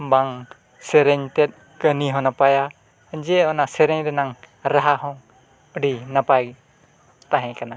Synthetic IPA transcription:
baŋ | sɛɾeɲtɛt̪̚ | kəniɦɔnapaja | d͡ʒeɔnasɛɾeɲɾɛnaŋ | ɾaɦaɦɔŋ | əɽinapaj | t̪aɦɛ̃kana

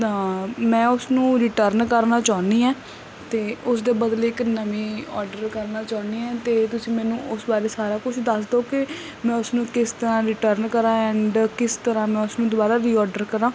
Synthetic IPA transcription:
ãmɛ̃ːʊsnũːɾɪːʈəɾnkəɾnaːt͡ʃaːʊniːɛː | t̪eːʊsd̪eːbəd̪leːɪknəmĩːɔːɾɖəɾkəɾnaːt͡ʃaːʊniːɛːt̪eːt̪ʊsĩːmɛ̃ːnũːʔʊsbaːɾeːsaːɾaːkʊt͡ʃʰd̪əsd̪oːkɪ | mɛ̃ːʊsnũːkɪst̪əɾãːɾɪʈəɾnkəɾãːɛ̃ːɳɖkɪst̪əɾãːmɛ̃ːʊsnũːd̪oːbaːɾaːɾiːɔːɾɖəɾkəɾãː

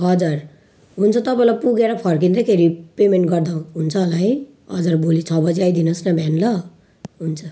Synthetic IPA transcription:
ɦʌd͡zʌr | ɦunt͡sʰʌt̪ʌpãlapuɡeɾʌpʰʌrk̬ind̪ekʰeɾipemeɳʈɡʌrd̪aw̃ɦunt͡sʰʌːlaj | ʌd͡zʌrbolit͡sʰʌbʌd͡zeajd̪inʌsnʌbʱanlʌ | ɦunt͡sʰʌ

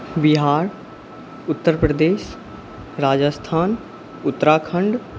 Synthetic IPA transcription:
bɪɦaːɾ | ʊt̪ːəɾpɾəd̪eːʃ | ɾaːd͡ʒəst̪ʰaːn | ʊt̪ːəɾaːkʰəɳɖ

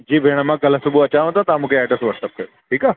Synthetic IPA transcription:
d͡ʑiːbʱeɽ̃amakəlasubʱuət͡ɕãot̪at̪amukeɛʈəsʋəɾʈ̪əp̚kəɾ | ʈʰiːka

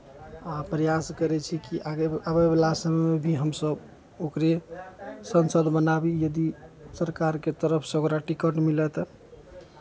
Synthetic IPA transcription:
apɾəjaskəɾɛt͡ʃʰikiʔaabebelasəmɛmebʱiɦəmsəb | okɾe | sənsəd̪ʱbənabijəd̪isəɾkaɾket̪əɾəpʰsoɡɾaʈikəʈmilɛt̪ɔ

